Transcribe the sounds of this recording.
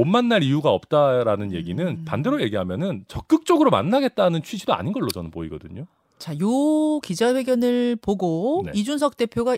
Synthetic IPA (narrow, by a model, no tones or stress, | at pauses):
onmanːaɾijuɡaʌp̚t͈aɾanɯnje̞ɡinɯnpande̞ɾoje̞ɡiɦamjʌnɯnt͡ɕʌk̚k͈ɯk̚t͡ɕ͈ʌɡɯɾoma̰nːaɡe̞t̚t͈anɯnt͡ɕʰɥid͡ʑidoa̰ɲinɡʌɭːot͡ɕʌnɯnpoiɡʌ̰dɯ̰ɲo | t͡ɕajokid͡ʑaɸwe̞ɡjʌnɯɭpoɡone̞̰id͡ʑunsʰʌk̚t͈e̞pʰjoɡa